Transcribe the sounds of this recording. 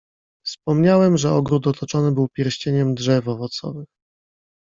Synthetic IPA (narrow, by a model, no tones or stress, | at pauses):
fspɔmɲawɛmʐɛɔɡɾut̪̚ɔt̪ʰɔt͡ʂɔnɘbɘwpʲjɛɾɕt͡ɕeɲɛmd̪ʐɛvɔvɔt̪sɔ̰vɘx